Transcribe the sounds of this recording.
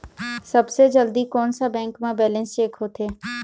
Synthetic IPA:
sɐbsed͡ʒəld̪ikɔːnsabɛ̃ːŋkmẽbɛːlə̃nst͡ʃeːkɦoːt̪eː

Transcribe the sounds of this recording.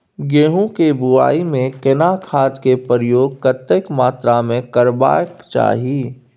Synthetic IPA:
ɡeːɦũkebʊaːimẽkɪnakʰaːd̪kepəɾjoːɡ̚kət̪ːəkmaːt̪ɾamẽkəɾba̰ːjəkt͡ʃa̰ːɦiː

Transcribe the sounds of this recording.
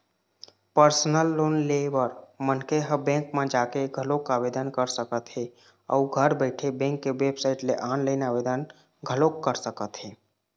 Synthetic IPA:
pəɾsnəlːoːnlebəɾmənkeɦəbɛ̃ːŋkmẽd͡ʒakeɡʱəlokabed̪ənkəɾsəkət̪ɦe | ə̰uɡʱəɾbəɪʈʰebɛ̃ːŋkːewebsaɪʈleʔaːnləɪnabed̪ən | ɡʱəlokːəɾsəkət̪ɦe

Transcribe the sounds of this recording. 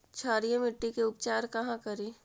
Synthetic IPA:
t͡ʃʰaːɾijə̃mɪʈːikeʊpt͡ʃaːɾkɐɦãkɐɾiː

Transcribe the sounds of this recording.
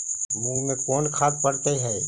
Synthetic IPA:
muɡmẽkɔːnkʰaːd̪̚pəɾt̪eɦɛː

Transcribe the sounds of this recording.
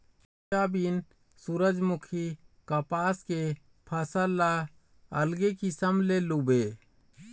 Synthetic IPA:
aːbiːn | suɾəd͡ʒmʊkʰikəpaːske | pʰəsəlːa | əlɡekisəmlelubeː

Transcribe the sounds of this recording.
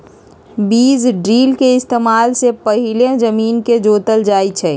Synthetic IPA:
biːzɖɾiːlkeɪst̪eːmaːlsepəɦɪlẽd͡ʒəmiːnked͡ʒoːt̪əld͡ʒaːit͡ʃʰɛ

